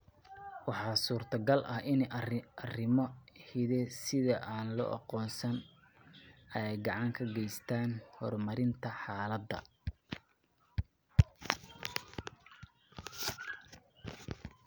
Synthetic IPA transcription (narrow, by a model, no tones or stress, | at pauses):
wɑħɑːsuːrt̪ʰɐɡɐlʔɐhʔɪnɐrɪmɔhɪðɛsɪðɐʔaːnlɔ̰ʔɑ̰qɔːnsɐn | ɐɛjɡɑʕɑŋkʰɐɡɛjst̪ʰaːnhɔrmɐɾɪnt̪ʰɐħɑːlɐd̪ːɐ̰